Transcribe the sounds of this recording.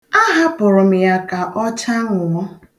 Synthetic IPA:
a˦ɦa˦pʊ˨ɾʊ˨m̩˨ja˨ka˨ʔɔ˦t͡ʃa˦ŋʷʊ˨ɔ˦

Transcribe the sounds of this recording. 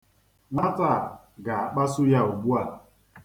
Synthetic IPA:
ŋʷa˦ta˦˨ | ɡa˨a˨k͡pa˦sʊ˦ja˦u˨bu˦a˨l

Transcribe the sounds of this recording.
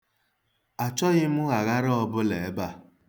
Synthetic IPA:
a˨t͡ʃɔ˦ɣɪ˦mʊ˦ɣa˨ɣa˦ɾɔ˦bʊ˦le˨˦ba˦˨

